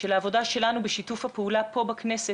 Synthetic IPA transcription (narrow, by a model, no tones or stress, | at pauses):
ʃelaːvo̞daʃe̞lanubeʃitufhapeulapo̞baknese